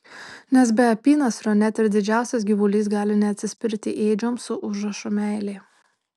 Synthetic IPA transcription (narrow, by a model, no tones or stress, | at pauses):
nʲɛs̬bʲɛɐpʲiːnɐsɾɔnʲɛt̪ʲɪɾd̪ʲɪd͡ʒʲæˑʊsʲɛs̬ɡʲiʋʊlʲiːs̬ɡɑːlʲɪnʲɛɐt̪ʲsʲɪsʲpʲɪɾʲt̪ʲɪʔeːd͡ʒʲomsʊʔʊʒɐʃʊmʲɛˑɪlʲeː